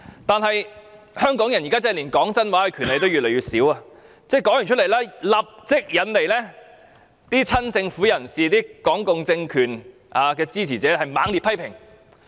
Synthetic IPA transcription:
t̪aː˨nɦɐ˨j | hœː˥ŋkɔː˨˥ŋjɐ˨˩njiː˨˩kaː˥t͡sɛː˧˥liː˨˩nkɔː˨˥ŋt͡sɐ˥nwaː˨˥hɐ˨˧jkʰyː˨˩nle˨˧t̪o˥wɥyː˨lɛ˨˩jɥyː˨˩tsiː˨˥waː˧ | t͡sɛː˥˩kɔː˨˥ŋjy˨˩nt͡ʃʰɵ˥t̚le˨˩jlaː˥lɐ˨p̚t͡sɪ˥k̚jɐ˨˥nle˨jlɛː˥ | t̪iː˥t͡sʰɐ˥nt͡sɪ˧ŋfuː˨˥jɐ˨˩nsiː˨t̪iː˥kɔː˨˥ŋkʊ˨ŋt͡sɪ˧ŋkʰyː˨˩n | ʔaː˨˧kɛː˧t͡siː˥t͡sʰiː˨˩t͡sɛː˨˥hɐ˨jmaː˨˥ŋliː˨pʰɐ˥jpʰɪ˨˩ŋ

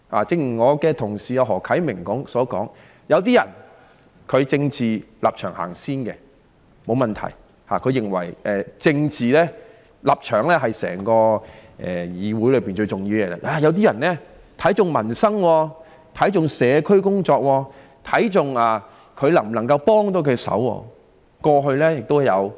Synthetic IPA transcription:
ha̰ː˨˩t͡sɪ˥ŋ˨˩ŋɔː˨˧kɛː˧t̪ʰʊ˨˩ŋsiː˨˩jɐ˨˧ɦɔː˨˩kʰɐ˨˥jmɪ˨˩ŋkɔː˨˥ŋsɔː˨˥kɔː˨˥ŋ | jɐ˨˧wt̪̬iː˥jɐ̰˨˩n | kʰɵ˨˧ɥt͡sɪ˧ŋt͡siː˨la̰ː˨p̚t͡ʃʰœː˨˩ŋha̰ː˨˩ŋsiː˥nkɛ˧ | mo˨˧wmɐ˨nt̪ʰɐ̰˨˩j | ha̰ː˨˩kʰɵ˨˧ɥjɪ˨˩ŋwɐ̰˨˩jʔɛː˨t͡sɪ˧ŋt͡siː˨lɛː˥ | lɐ˨p̚t͡ʃʰœː˨˩ŋlɛː˥ɦɐ˨jsɛ̰ː˨˩ŋkɔː˧ʔɛ̰ː˨jiː˨˧wuː˨˥jlɵ˨˧piː˨˩nt͡ʃɵ˧ɥt͡sʊ˨ŋjiː˧wjɛː˧lɛ̰˧ʔaː˧jɐ˨˧wt̪iː˥jɐ˨˩nlɛː˥ | t̪ʰɐ˨˥jt͡sʊ˨ŋmɐ˨˩nsɐ˥ŋwɔː˧ | t̪ʰɐ˨˥jt͡sʊ˨ŋsɛː˨˧kʰɵ˥ɥkʊ˥ŋt͡sɔː˧k̚wɔː˧ | t̪ʰɐ˨˥jt͡sʊ˨˧ŋaː˨ | kʰɵ˨˧ɥlɐ˨˩ŋm̩˨˩nɐ˨˩ŋkɐ˧wpɔː˥ŋt̪o˨˥wkʰɵ˨˧sɐ̰˨˥wɔ̰ː˧ | kɔː˧ɦɵ˧ɥlɛː˥jɪ˨k̚t̪o˥wjɐ˨˧w

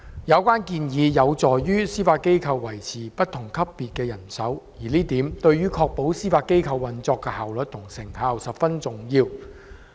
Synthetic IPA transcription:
jɐ˨˧wkʷaː˥nkiː˧njiː˨˧jɐ˨˧wt͡sɔː˨jjyː˥siː˥faː˧t̚ke˥jkʰɐ˧wːɐ˨˩jt͡sʰiː˨˩pɐ˥t̚t̪ʰʊ˨˩ŋkʰɐ˥pːiː˨t̚kɛː˧jɐ˨˩nsɐ˨˥wjiː˨˩liː˥t̪iː˨˥mt̪ɵ˧ɥɥyː˥kʰɔː˧k̚po˨˥wsiː˥faː˧t̚kːe˥jkʰɐ˧wːɐ˨nt͡sɔː˧kːɛː˧haː˨wlɵ˨t̚t̪ʰʊ˨˩ŋsɪ˨˩ŋhaː˨˧wsɐ˨˩pfɐ˥nt͡sʊ˨˩ŋjiː˧w

